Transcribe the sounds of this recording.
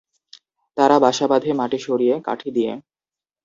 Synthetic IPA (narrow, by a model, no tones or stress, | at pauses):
t̪aɾabaʃabad̪ʱemaʈeʃoɾijeka̰ʈʰid̪ijḛ